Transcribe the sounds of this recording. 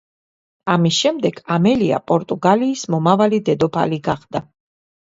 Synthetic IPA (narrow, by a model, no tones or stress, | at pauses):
amisʃɛmd̪ɛɡ̥ʰamɛlia̰pʼɔɾt̪ʼuɡaliːsmɔmavalid̪ɛd̪ɔpʰa̰liɡaχd̪̥a